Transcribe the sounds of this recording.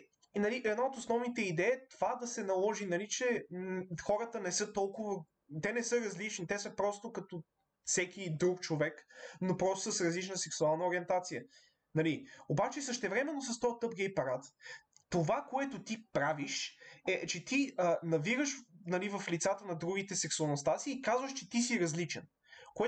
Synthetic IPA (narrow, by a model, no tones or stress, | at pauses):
nɐliʔɛd̪naot̪osnɔvnit̪ɛid̪ɛt̪ovad̪ɐsɛnɐlˠɔʒinɐlit͡ʃɛ | xɔɾət̪ənɛsɤt̪ɔlˠkʊvə | t̪ɛnɛsɤɾɐzlit͡ʃnit̪ɛsəpɾɔst̪okɐt̪o | fsɛkʲid̪ɾukt͡ʃovɛknopɾɔst̪o̥səsɾɐzlit͡ʃnəsɛksualˠnəoɾiɛnt̪at̪sijə | nɐliobat͡ʃɛsəʃt̪ɛvɾɛmɛnːos̬ɐst̪ɔjt̪ɤp̚ɡɛjpɐɾat̪t̪ovakoɛt̪ot̪ipɾaviʃɛt͡ʃɛt̪iənɐviɾəʃnɐlivɐflit̪sat̪ənɐd̪ɾuɡ̟it̪ɛsɛksuɐlˠnost̪asiːkazvəʃt͡ʃɛt̪isiɾɐzlit͡ʃɛn | koɛ